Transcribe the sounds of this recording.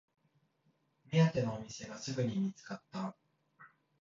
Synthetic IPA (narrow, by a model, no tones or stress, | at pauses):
mʲiat̪e̞no̞ːmʲise̞ɡasɨɡɯ̟ɲ̟imʲit͡sɨ̥kat̪ːa